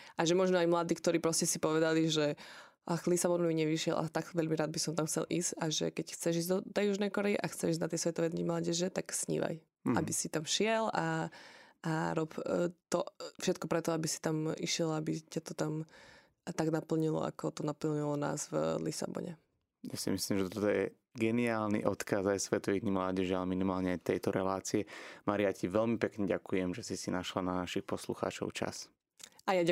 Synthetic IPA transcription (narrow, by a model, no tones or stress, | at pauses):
ʔaʒɛmɔʒnɔajmlad̪iːkt̪ɔɾiːpɾɔscɛsipɔʋɛd̪aliʒɛ | ʔaxlisabɔnumiɲɛʋiʃɪɛ̰lʔa̰t̪aɡʋɛʎmiɾaːd̪bisɔmt̪amxt͡sɛ̰lʔḭːzcaʒɛ̰kɛcxt͡sɛʒiːzd̪d̪ɔjuʒnɛjkɔɾɛiʔaxt͡sɛʒiːznat̪ɛjsʋɛt̪ɔʋɛd̪nɲimlaːɟɛʒɛt̪aksɲḭːʋa̰j | abisit̪amʃɪɛla | aɾɔpt̪ɔfʃɛt̪̚kɔpɾɛt̪ɔabisi̥t̪amḭʃɪɛlabicat̪ɔt̪am | t̪aɡnapl̩ɲilɔ̰a̰kɔt̪ɔnapl̩ɲilɔna̰ːzvlisa̰bɔ̰ɲɛ̰ | ja̰sḭmislimʒɛt̪ɔt̪ɔjɛ | ɡɛniaːlnḭʔɔt̪kazajsʋɛt̪ɔʋiɣdɲimlaːɟɛʒialɛminimaːlɲɛajt̪ɛjt̪ɔɾɛlaːt͡siɛmaɾijaciʋɛlmipɛkɲɛɟakujɛmʒɛsisinaʃlananaʃixpɔsluxa̰ːt͡ʃɔ̰ʊt͡ʃa̰s | ajaa